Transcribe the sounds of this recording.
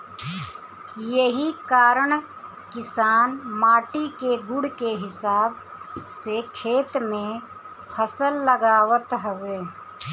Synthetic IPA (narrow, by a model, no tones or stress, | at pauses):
jəɦikaːɾəɳ | kɪsaːnmaːʈikeɡʊɽkeɦɪsaːbsekʰeːt̪mẽ | pʰəsəlːəɡaːwət̪ɦəʋeː